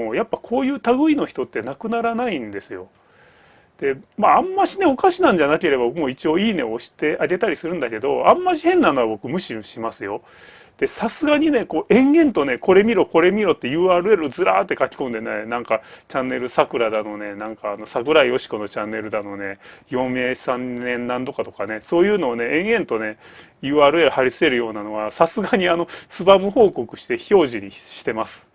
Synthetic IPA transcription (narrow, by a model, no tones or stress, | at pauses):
ojapːakʰo̞ːjɯ̟ːt̪aɡɯ̟ino̞çi̥t̪o̞t̪ːe̞nakɯ̟naɾanaĩnd̪e̞sɨjo̞ | d̪̥e̞maːmːaɕine̞o̞kaɕinãɲ̟d͡ʑanake̞ɾe̞bamo̞ːit͡ɕio̞ːiːne̞̰oɕi̥t̪e̞ʔaɡe̞t̪aɾʲisɨɾɯ̟̃nd̪ake̞d̪o̞ãmːaɕihẽ̞nːano̞βabo̞kɯ̟mɯ̟ɕiõɕimasɨjo̞ | d̪̥e̞sasɨɡaɲ̟ine̞ko̞ːʔẽ̞ŋɡẽ̞nt̪o̞ne̞ko̞ɾe̞mʲiɾo̞ko̞ɾe̞mʲiɾo̞t̪ːejɯ̟ːaːɾɯ̟e̞ɾɯd͡zzɨɾa̰ːt̪ːe̞kakʲi̥kõ̞nd̪e̞nanãŋkat͡ɕãnːe̞ɾɯ̟sakɯ̟ɾad̪ano̞ne̞nãŋkaːnosakɯ̟ɾaio̞ɕi̥ko̞no̞t͡ɕãnːe̞ɾɯ̟d̪ano̞ne̞jõ̞me̞ːsãnẽ̞nnãnd̪o̞kat̪o̞kane̞so̞ːjɯ̟ːno̞ːne̞ʔẽɰ̃ẽ̞nt̪o̞ne̞ | jɯ̟ːaːɾɯ̟e̞ɾɯ̟haɾʲisɨ̥e̞ɾɯ̟jo̞ːnano̞βasasɨɡaɲ̟iano̞t͡sɨbamɯ̟ho̞ːko̞kɯ̟̥ɕi̥t̪e̞ço̞ːʑiɲ̟iɕi̥t̪e̞masɨ̥